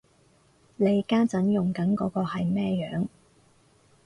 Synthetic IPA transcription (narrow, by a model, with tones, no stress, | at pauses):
le˨˧jkaː˥t͡sɐ˨˥njʊ˨ŋkɐ˨˥nkɔː˨˥kɔː˧hɐ˨jmɛː˥jœ̰ː˨˥ŋ